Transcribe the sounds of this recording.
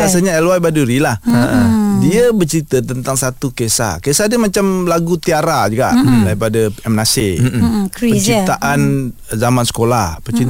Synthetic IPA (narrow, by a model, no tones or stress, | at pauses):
as̬aɲaɛlwajbaduɾilahəʔədiabərt͡ʃəɾit̪ət̪ənt̪aŋsat̪ukesa̰kesadəmat͡ʃamlaɡut̪iaɾad͡ʒuɡaʔlaipadaɛmnase | ət͡ʃit̪aʔan | zamansə̥kolahpət͡ʃi